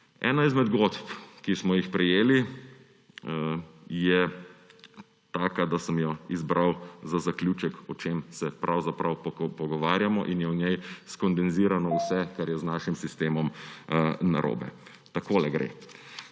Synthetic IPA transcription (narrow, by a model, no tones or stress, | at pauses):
ɛ̰ːnaizmɛd̪ɡot̪pkismɔjixpɾɛjeːli | jɛ | t̪aːkad̪asəmjɔizbɾawzazakljuːt͡ʃɛkɔt͡ʃemsɛpɾʔawzapɾawppɔɡɔʋaːɾjamɔʔinjɛɔnjɛjskɔnd̪ɛnziːɾanɔwsɛkaɾjɛznaːʃimsist̪eːmɔm | na̰ɾʔo̰ːbɛ̰ | t̪akoːlɛɡɾḛː